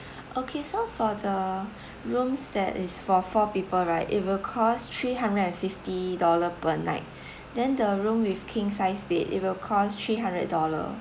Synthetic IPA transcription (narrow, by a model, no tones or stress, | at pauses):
ʔokʰesofɔdə | ɹũmsdɛ̰tɪsfɔfɔpipəlɹaɪtḭt̚wilkʰɔstʰɹiɦãndɹədɛ̃nfiftidɔləpəna̰ɪt̚ | dɛ̃ndəɹũmwifkʰĩŋsaɪsbitḭt̚wilkʰɔstʰɹiːɦãndɹə̰d̚dɔlə̰